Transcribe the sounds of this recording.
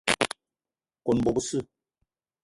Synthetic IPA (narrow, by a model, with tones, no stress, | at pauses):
ko˨nbo˨bu˦sɨ˦